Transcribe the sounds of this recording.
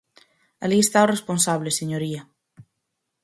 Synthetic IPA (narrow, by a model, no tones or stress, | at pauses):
a̰liest̪aoresponsaβleseɲoɾia